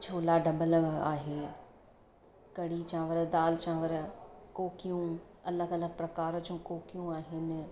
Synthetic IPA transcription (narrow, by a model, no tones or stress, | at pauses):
t͡ɕʰoːlaɖɐbəla̰ːɦeː | kɐɽit͡ɕãʋəɾəd̪aːlt͡ɕʰãːʋəɾəkoːkijũ | ɐləɡɐləɡ̚pɾɐkaːɾ̆d͡ʑũkoːkijũaːɦɪnɪ̆